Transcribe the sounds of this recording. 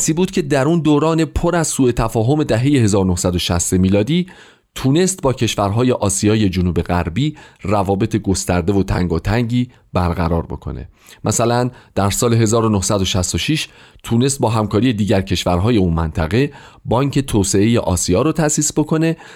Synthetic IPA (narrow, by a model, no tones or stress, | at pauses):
siːbuːd̪̥cʲʰe̞d̪æɾund̪oːɾɒːne̞pʰo̞ɾæzsuːe̞t̪ʰæfɒːɦo̞me̞d̪æɦe̞je̞he̞zɒːɾonohsæd̪oʃæst̪emiːlɒːd̪iː | t̪ʰuːne̞st̪̚bɒːcʰe̞ʃvæɾɦɒːje̞ʔɒːsijɒːje̞d͡ʒonuːbe̞ɣæ̰ɾbiːrævɒːbe̞t̪ʰe̞ɡo̞st̪æɾd̪e̞vot̪ʰæ̰ŋɡot̪ʰæŋɟiː | bæɾʁæɾɒːɾbo̞̰kʰo̞̰nḛ | mʔæsælænd̪̥æɾsɒːle̞ɦe̞zɒːɾonohsæd̪o̞ʃæst̪o̞ʃiʃ | t̪ʰune̞s̬t̪̚bɒːɦæmkʰɒːɾije̞d̪iːɟæɾcʰe̞ʃvæɾɦɒːje̞unmæ̰nt̪ʰæɣe̞ | bɒːŋcʰe̞t̪ʰoːse̞e̞jeʔɒ̰ːsiɒːɾot̪ʰæsiːsbo̞kʰo̞ne̞